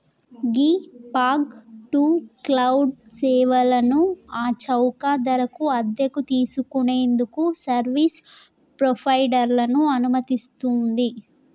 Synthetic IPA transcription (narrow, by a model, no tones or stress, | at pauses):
ɡiːpaːɡʈuːklɐwɖsɛːʋɐlɐnuaːt͡ʃɐwkaːd̪ɐɾɐkuɐd̪jɐkut̪iːsukune̞ːnd̪ukusɐɾʋiːs | pɾopʰɐjɖɐɾlɐnuɐnumɐt̪ist̪und̪i